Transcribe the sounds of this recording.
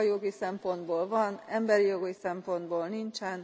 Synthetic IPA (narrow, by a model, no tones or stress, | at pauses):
joɡisɛmpo̞nd̪boːlvɒnɛmbɛɾijoɡisɛmpo̞nd̪boːlnint͡ʃɛn